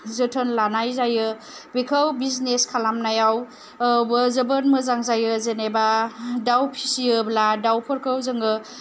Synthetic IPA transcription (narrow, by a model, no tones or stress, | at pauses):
zɯtʰənlanajzajɯ | bekʰawbizneskʰalamnajaw | wbɯzɯbənmɯzaŋzajɯzenebadawpʰi̥siɯbladawpʰɯɾkʰɯwzɯŋɡɯ